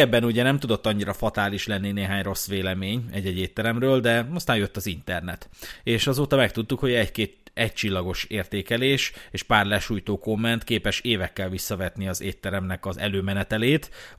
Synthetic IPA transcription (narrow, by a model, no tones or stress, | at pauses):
ɛbːɛnuɟɛnɛmt̪ud̪o̞t̪ːɒɲːiɾɒfɒt̪aːliʃlɛnːineːɦaːɲro̞sːʋeːlɛmeːɲɛɟːɛɟeːt̪ːɛɾɛmrøːld̪ɛɒst̪aːjø̞t̪ːɒzint̪ɛrnɛt̪eːʃɒzoːt̪ɒmɛk̚t̪ut̪ːukho̞ɟɛɟkeːt̪ɛɟ̚t͡ʃilːɒɡo̞ʃeːrt̪eːkɛleːʃeːʃpaːrlɛʃuːjt̪oːko̞mːɛnt̪keːpɛʃeːvɛkːɛlvisːɒvɛt̪niɒzeːt̪ːɛɾɛmnɛkɒzɛ̰løːmɛnɛt̪ɛleːt̪